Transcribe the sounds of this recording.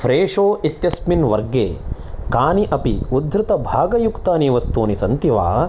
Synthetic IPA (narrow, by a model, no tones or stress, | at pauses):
pʰɾeːʂoːit̪jɐsminʋɐɾɡḛːkaːniʔɐpiud̪ʱɾɪt̪ɐbʱaːɡɐjukt̪aːniːʋɐst̪uːnisɐnt̪iʋa̰ː